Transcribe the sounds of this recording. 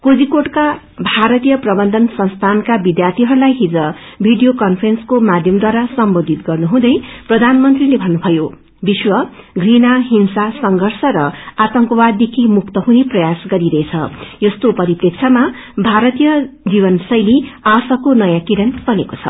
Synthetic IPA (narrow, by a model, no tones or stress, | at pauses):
kod͡zikoʈka | bʱaɾʌt̪ijʌprʌbʌnd̪ʱʌnsʌnst̪ʰankabid̪jart̪ʰiɦʌɾulajɦid͡zʌbʱiɖijokʌnpʰrenskomad̪ʱjʌmd̪waɾasʌmbod̪ʱit̪ɡʌrnuɦũd̪ʌjprʌd̪ʱanmʌnt̪rilebʱʌnːubʱʌjo | biswʌɡrinaɦinsasʌŋɡʱʌrsʌɾʌat̪ʌŋkowad̪d̪ːekʰimuk̚t̪ʌɦuneprʌjasɡʌɾiɾʌet͡sʰʌ̰jʌst̪opʌɾiprek̚t͡sʰama | bʱaɾʌt̪ijʌd͡zibʌnsʌjliasʌkonʌjãkiɾʌnpʌnekot͡sʰʌ̰